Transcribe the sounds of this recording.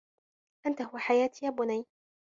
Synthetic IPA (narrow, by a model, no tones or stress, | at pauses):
ʔant̪ahʊwaħajaːt̪jaːbʊnaj